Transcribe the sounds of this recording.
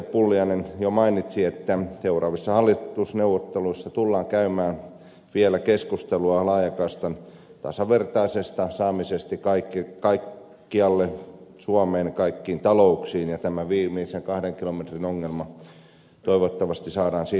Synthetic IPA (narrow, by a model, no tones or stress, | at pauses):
epulːiɑnenjomɑinit̪siet̪ːæseurɑːʋisːɑhɑlːiusneuwʋːot̪ːeluisːɑt̪ulːɑːŋkæymæːn | ʋielækeskust̪eluɑlɑːjɑkɑist̪ɑn | t̪ɑ̰sɑʋert̪ɑisest̪ɑsɑːmisest̪ikɑikːikɑikː | iɑlːesuɑmeːnɑkɑikːiːnt̪ɑlouksiːnjɑt̪æmæʋiːmiːseŋkɑhɾeŋkilomet̪rinoŋːelmɑ | t̪oiʋot̪ːɑʋɑst̪isɑːdɑːnsiː